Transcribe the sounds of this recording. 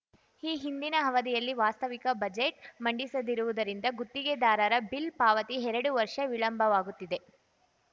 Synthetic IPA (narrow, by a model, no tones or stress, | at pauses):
iːɦind̪inɐɦɐʋɐd̪ijɐlːiʋaːst̪ɐʋikɐbɐd͡ʒeʈmɐɳɖisɐd̪iɾuʋud̪ɐɾind̪ɐɡut̪ːiɡed̪aːɾɐɾɐbilpaːʋɐt̪iɦɛɾɐɽuʋɐɾʂɐʋiɭɐmbʱɐʋaːɡut̪ːid̪e̞